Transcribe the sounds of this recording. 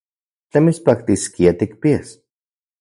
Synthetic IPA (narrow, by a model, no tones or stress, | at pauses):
t̪emispak̚t̪iskiat̪ikpias